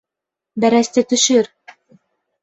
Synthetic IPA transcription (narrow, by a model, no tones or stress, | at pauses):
bæɾæst̪ɘt̪ɵ̆ʃɵɾ